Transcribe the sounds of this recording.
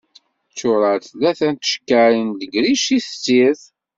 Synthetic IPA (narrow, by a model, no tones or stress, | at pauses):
t͡sːʊɾəɾθlæθænt̪ə̥ʃkːæɾinðəɡɾiʃiθət͡sːiɾθ